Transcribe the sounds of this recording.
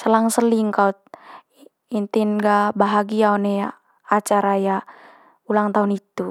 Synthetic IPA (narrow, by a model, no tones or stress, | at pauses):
səlaŋsəliŋkaut̪̚ | int̪inɡabaɦaɡiaɔnɛja | at͡ʃaɾaja | ulaŋt̪aunit̪u